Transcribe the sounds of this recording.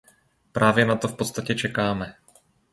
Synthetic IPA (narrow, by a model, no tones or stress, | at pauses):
pɾaːvjɛnat̪o̞fpo̞t̪st̪acɛt͡ʃɛkaːmɛ